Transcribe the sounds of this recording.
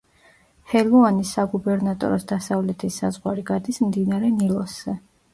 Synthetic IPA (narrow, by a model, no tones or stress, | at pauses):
hɛluanisaɡubɛɾnat̪ʼɔ̰ɾɔsd̪asavlɛt̪ʰisːa̰zʁwaɾiɡad̪ismd̪inaɾɛnilˠɔszɛ